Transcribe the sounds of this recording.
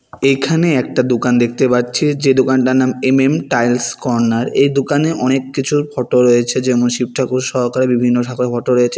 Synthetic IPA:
ekʰaneɛk̚ʈad̪okand̪ekʰt̪epaɾt͡ɕʰed͡ʑed̪okanʈanamememʈajlskɔɾnaɾejd̪okaneʔɔnekːit͡ɕʰupʰɔʈoɾojet͡ɕʰed͡ʑemonʃib̚ʈʰakuʃɔɦkaɾebibʱinːoʈʰakoɾefʰɔʈoɾojet͡ɕʰe

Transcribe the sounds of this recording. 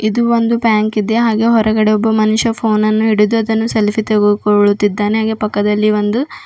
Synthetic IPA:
id̪uʋond̪upaːŋkid̪eɦaːɡe̞ɦɔɾɐɡɐɽeɔbːɐmɐnuʂɐpʰo̞ːnɐnːuiɽid̪uɐd̪ɐnːuselfit̪eɡuukoɭut̪ːid̪ːaːneɦaːɡe̞ːpɐkːɐd̪ɐlːiʋond̪u

